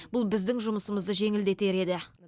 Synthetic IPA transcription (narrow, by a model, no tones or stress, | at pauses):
b̥ʊlˠbɪzd̪ɪŋʒʊməsəməzd̪əʒe̞ŋɪld̪e̞t̪e̞ɾe̞d̪ɪ